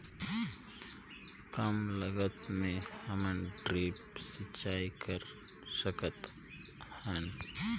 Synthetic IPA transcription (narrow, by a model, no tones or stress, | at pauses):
kəmləɡət̪mẽhəmənɖɾiːp̚sɪt͡ʃaːikəɾ | səkət̪ | hən